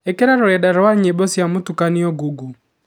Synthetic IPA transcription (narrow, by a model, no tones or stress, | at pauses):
ekeɾaɾoɾɛdaɾwaɲebosjamotukaniɔɡuɡu